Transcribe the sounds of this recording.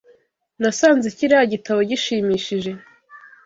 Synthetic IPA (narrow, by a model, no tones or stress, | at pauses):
nasaːnzeciɾaaɟitaβo̞ɟiʃiːmiːʃiʒe̞